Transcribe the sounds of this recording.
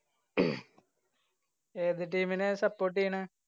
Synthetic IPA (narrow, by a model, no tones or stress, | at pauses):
eːðɨʈiːminesɐpːoːʈ̬ːijɐɳɨ